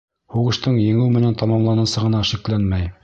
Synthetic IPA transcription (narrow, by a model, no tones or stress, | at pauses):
huʁɤ̆ʃt̪ɤɴjɘ̆ŋɘwmɘ̆nænt̪ɑmɑmlˠɑnɤ̆sɤʁɤ̆nɑʃiklænmæj